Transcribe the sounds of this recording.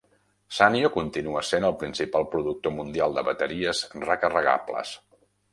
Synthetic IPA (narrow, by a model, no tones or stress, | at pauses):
saniokunt̪inuəsenəlˠpɾinsipalˠpɾuðuk̚t̪omund̪ialˠd̪əβət̪əɾiəzrəkərəɣa̰blə̰s